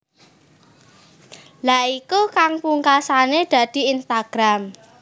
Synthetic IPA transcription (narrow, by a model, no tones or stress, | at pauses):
laʔikukaŋpuŋkasaned̥ä̤d̪̥i̤inst̪aɡ̥ɾam